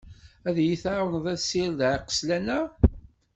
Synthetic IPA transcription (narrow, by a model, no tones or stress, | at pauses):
æðjiθawnðˤæsːiɾðʕqə̥slænæ